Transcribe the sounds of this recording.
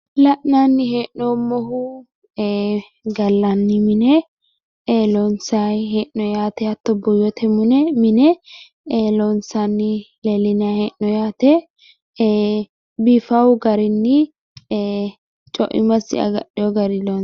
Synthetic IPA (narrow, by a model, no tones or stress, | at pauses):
lɐʔnanːɪɦeːʔnomɔɦʊ | ɡɐlːɐnːɪmɪnɛ | lɔnsajɦeːʔnɔjaːt̪ɛhɐt̪ːɔbʊjɔt̪ʰɛmʊnɛmɪnɛ | lɔnsanːɪ | lɛlɪnɐheːʔnɔjaːt̪ɛ | biːfɐwɡɐɾɪnːɪ | t͡ʃʼɔ̰ʔɪ̰mɐsɪ̰ɐ̰ɡɐ̰ɗɛjɔɡɐɾɪlo